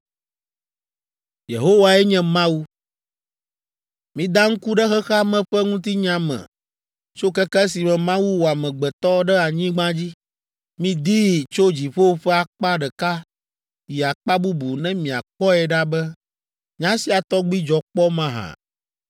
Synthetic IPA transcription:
jḛ˨ɦo˦wa˨ɛ˦ɲɛ̃˨mã˦wu˦ | mĩ˨d̪a˦ŋ̩˦ku˦ɖɛ˦xɛ˦xa˦mɛ̃˨ɸɛ˦ŋũ˦t̪i˦ɲã˦mɛ̰̃˨ | t͡ʃo˦kɛ˦kɛ˦si˨mɛ̃˨mã˦wu˦wo˨a˨mɛ̃˨ɡ͡bɛ˨t̪ɔ˦ɖɛ˦a˨ɲĩ˦ɡ͡bã˦d͡ʑi˦ | mĩ˦d̪i˦˨t͡ʃo˦d͡ʑi˨ɸo˦wo˦ɸɛ˦a˨k͡pa˦ɖɛ˨ka˦ | ji˨a˨k͡pa˦bu˦bu˨nɛ̃˦mĩ˨a̰˨k͡pɔ˦ɛ˨ɖa˦bɛ˦ | ɲã˦si˦a˨t̪ɔ˦ɡ͡bi˦d͡ʒɔ˨k͡pɔ˦mã˦ɦã̰˨

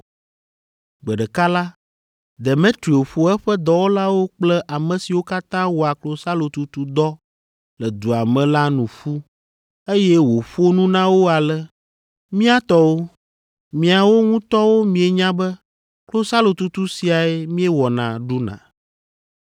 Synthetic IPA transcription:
ɡ͡bɛ˨ɖɛ˨ka˦la˦ | d̪e˨mẽ˦t̪ɾi˨o˨ɸo˨ɛ˦ɸɛ˦d̪ɔ˦wo˦la˦wo˦k͡plɛ˦ʔa˨mɛ̃˨si˨wo˦ka˦t̪ã˦wo˨a˨klo˨sa˦lo˨t̪u˨t̪u˦d̪ɔ˦ | lɛ˨d̪u˨a˨mɛ̃˨la˦nũ˨fu˦ | e˦jɛ˦wo˨ɸu˦o˦nũ˦nã˦wo˦a˨lɛ˨ | mĩ˦a˦t̪ɔ˦wo˦ | mĩ˨a˨wo˦ŋũ˦t̪ɔ˦wo˦mĩ˨e˨ɲã˦bɛ˦ | klo˦sa˦lo˨t̪u˦t̪u˦si˨a˨ɛ˦mĩ˦ɛ˦wɔ˨nã̰˨ɖu˦nã̰˨

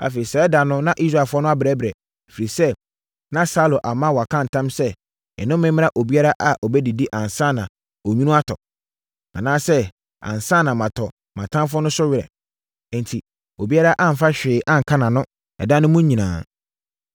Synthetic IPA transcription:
a̰˨fe˨ɾi˨sɛ˦ɛ˦da˨nʊ̃˦nã˦ʔi˦s̬ɾa˨fʊ˦ɔ˦nʊ̃˦a˦bɾɛ˦bɪɾɛ˨ | fi˨ɾi˨sɛ˦ | nã˦sa˦lõ˨ʔa˨mã˦wɔ˨a˨kʰã˦˨n̩˨tʰã˦msɛ˦ | ɛ̰˨nʊ̃˦m˦mɪ̃˦mɪ̃˦a˦ʔo˨bi˦a˦ɾa˦ʔa˨ʔɔ˨bɛ˦di˨di˦ʔã˨nsã˦˨nã˨ | o˨ɲũ˦nũ˦a˦tʰɔ˨ | ã̰˨nãː˦sɛ˦ | ã̰˨nsãː˦˨nã˨mã˨tʰɔ˨ | mã˨tʰã˦mf̬ʊ˦ɔ˦nʊ̃˦sʊ˦ɥɪ˦ɾɛ̰̃˨ | n˨tʰi˨ | o˨bi˦a˦ɾa˦ʔa˦m̩˨fa˦ɕᶣɪː˨ʔã˦ŋ̩˨kʰa˦nã˨nʊ̃˦ | ɛ̰˨dã˦nʊ̃˦mʊ̃˦ɲɲĩ˨nã̰ː˨

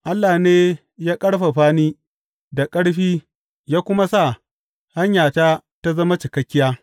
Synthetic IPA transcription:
ʔa˦lːaː˨neː˦ | jaː˦kʼɐ˦ɽɸa˨ɸaː˦niː˦ | da˨kʼɐ˦ɽɸiː˦ | jaː˦kʷʊ˦ma˦sa˦˨ | ha˦ɲjaː˨taː˦ | ta˦zɐ˦ma˦t͡ʃɪ˨kɐ˦kʲːɪ˦jaː˦

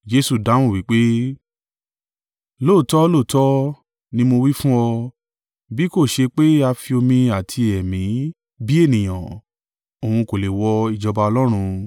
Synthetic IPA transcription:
d͡ʒe˦su˦˨da˨˦w̃ũ˦˨wi˨˦k͡pe˦ | lo˦˨tɔ˦lo˦˨tɔ˦ | nĩ˦mo˧wi˦fũ˦ɔ˧ | bi˦ko˦˨ʃe˧k͡pe˦a˧fi˧o˧mĩ˧a˨tʰi˧ɛ˨mĩ˨˦ | bi˦e˦˨nĩ˨j̃ã˨ | o˨hũ˧ko˨le˨wɔ˧i˨d͡ʒɔ˧ba˧ɔ˧lɔ˦ɾ̃ũ˧

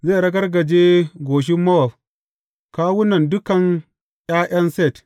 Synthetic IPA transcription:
zeː˦˨ɽɐ˦ɡɐ˦rɡɐ˨d͡ʒeː˦ɡʷoː˨ʃ̬ɪ˦mːɐ˦wɔ˨f | kaː˦wʊ˦nɐ˨ndʊ˦kɐ˨ŋ | j̰ʲʼaː˦ʔɐ˦nsɛ˦˨t

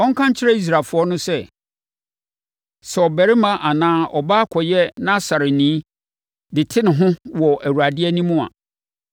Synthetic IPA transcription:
ɔ˦ŋ̩˦kʰã˦ɲ˦t͡ɕʰɪ˦ɾɛ˦i˦s̬ɾa˨fʊ˨˦ɔ˦nʊ̃˦sɛ˦ | sɛ˨ɔ˨bæ˨ɾɪ˦mã˨ʔa˨nãː˦ɔ˨ba˦kʰɔ˨jɛ˦nã˦sa˨ɾɪ˨nĩː˨˦ | dɪ˨tʰɪ˦nɪ̃˨ɦʊ̃˦wɔ˨æ˨wu˨ɾa˨dɪ˦ɛ˦nĩ˦mũ˦a̰˨

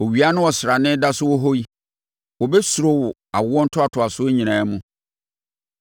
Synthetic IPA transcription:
o˨ɥi˨a˦nʊ̃˦ɔ˨sɾa˨nɪ̃˦da˦sʊ˦wɔ˦ɦo˦i˦ | wɔ˨bɛ˦su˨ɾo˦wʊ˨ | a˨wʊ˦ɔ̃˦n̩˦tʰʊ˦a˨tʰʊ˨a˨sʊ˦e˦ɲĩ˨nãː˨˦mũ˦

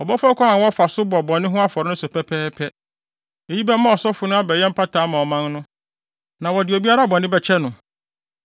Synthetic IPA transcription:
ɔ˨bɔ˦fɔ˦kʷʰã˦ã˨wɔ˦fa˨sʊ˦bʊ˨ɔ˨bɔ̃˨nɪ̃˦ɦʊ̃˦a˦fɔ˨ɾɪ˦nʊ̃˦sʊ˨pʰɛ˦pʰɛː˦pʰɛ˦ | e˨ji˦bɛ˦mã˦ɔ˨sɔ˦fʊ˨nʊ̃˦a˦bɛ˨jɛ˦m̩˦pʰa˦tʰaː˨˦mã˨ɔ˨mã˦nnʊ̃˦ | nã˨wɔ˨dɪ˨o˨bi˦a˦ɾa˦˨bɔ̃˨nɪ̃˦bɛ˨t͡ɕʰɛ˦nʊ̃˨

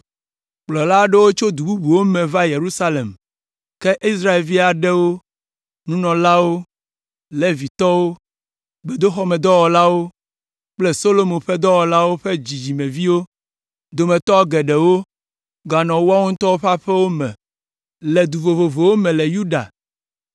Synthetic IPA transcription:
k͡plɔ˨la˦ɖe˦wo˦t͡ʃo˦d̪u˨bu˦bu˨wo˦mɛ̃˨va˦je˨ɾu˦sa˦le˨m | kɛ˦ʔi˦s̬ɾa˦e˨lvi˦a˨ɖɛ˦wo˦ | nũ˦nɔ̃˨la˦wo˦ | le˨vi˨t̪ɔ˦wo˦ | be˨d̪o˦xɔ˦mɛ˨d̪ɔ˦wɔ˨la˦wo˦ | k͡ple˦so˦lo˦mõ˨ɸɛ˦d̪ɔ˦wɔ˨la˦wo˦ɸe˦d͡ʑi˨d͡ʑi˨mẽ˨vi˦wo˦ | d̪o˨mẽ˨t̪ɔ˦ɡɛ˨ɖɛ˨wo˦ | ɡa˨nɔ̃˨wo˦a˦ŋũ˦t̪ɔ˦wo˦ɸa˦ɸɛ˦wo˦mɛ̰̃˨ | lɛ˨d̪u˨vo˨vo˨vo˨wo˦mɛ̃˨lɛ˨ju˦ɖa̰˨

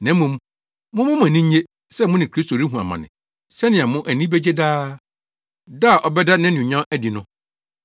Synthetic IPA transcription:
nɛ̃˨˦mũ˨m | mʊ̃˦mʊ̃˦m̃˦æ˨nĩ˦ɲ˦e˦ | sɛ˦˨mʊ̃˦nɪ̃˨kʰɾi˦sto˨ɾi˦ɦũ˨a˨mã̰˨nɪ̰̃˨ | sɛ˦nɪ̃˨a˨mʊ̃˦ʔæ˨nĩ˦be˦d͡ʑe˦daː˦ | da˦˨ʔɔ˨bɛ˦da˦nã˦n˨ʊ̃˨ɲã˦æ˦di˨nʊ̃˦

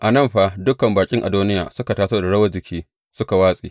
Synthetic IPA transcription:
ʔa˨nɐ˦mɸaː˦dʊ˦kɐ˨mbaː˨kʲʼɪ˦ŋʔa̰˨duː˦nɪ˦ja̰ː˨sʊ˦ka˨taː˦soː˦da˨ɽɐ˦wɐ˦d͡ʒɪ˨kʲiː˦ | sʊ˦ka˨waː˦sʼiː˨

